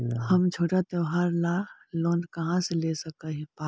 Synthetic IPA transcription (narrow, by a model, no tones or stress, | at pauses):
hɐmd͡ʒʰʱoːʈat̪eʋɦaːɾlaːloːnkɐɦãseleːsɐkaɦipaː